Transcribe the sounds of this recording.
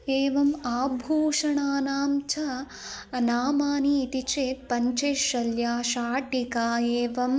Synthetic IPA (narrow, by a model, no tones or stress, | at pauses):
eːʋɐmaːbʱuːʂɐɳaːnaːmt͡ʃʰɐ | naːmaːniːt̪it͡ʃeːt̪̚pɐɲt͡ʃeːʃɐljaːʃaːʈikaːeːʋɐm